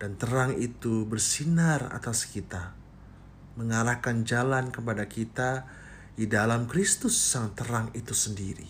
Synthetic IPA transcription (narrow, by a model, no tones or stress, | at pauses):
d̥ant̪əɾaŋit̪ubərsinara̰t̪askit̪a | məŋaɾahkand͡ʒalankəpadakit̪a | didalamkɾist̪ʊsːaŋt̪əɾaŋit̪usəndiɾḭ